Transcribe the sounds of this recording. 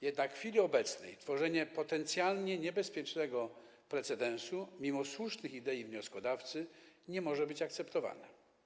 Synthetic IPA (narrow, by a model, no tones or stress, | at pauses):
jɛd̪nakxfʲilʲiɔbɛt̪snɛ̰jt̪fɔʐɛɲɛpɔt̪ɛnt̪sʲjalɲɛɲɛbɛspʲjɛt͡ʂnɛɡɔ | pɾɛt̪sɛd̪ɛ̃ñsumʲimɔswuʂnɘxid̪ɛjivɲɔskɔd̪aft̪sɘɲɛmɔʐɛbɘt͡ɕakt̪sɛpt̪ɔva̰nɛ